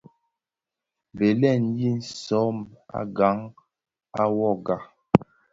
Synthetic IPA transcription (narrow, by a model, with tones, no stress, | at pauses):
be˨lɛ˦˨nji˦n̩˨sɔ˨˦ma̰˦ɡa˨˦ŋ | a˦wɔ˦˨ɡa˨